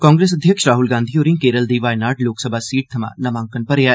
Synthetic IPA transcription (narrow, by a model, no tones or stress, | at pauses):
kɔ̃ːŋɡɾeːs̬əd̪ʱjəkʃɾaːɦulɡãːnd̪ʱioːɾĩːkeːɾəld̪iːʋaːɪnaːʈloːksəbʱaːsiːʈ̚t̪ʰəma̰ːnəʋãːŋkənpəɾea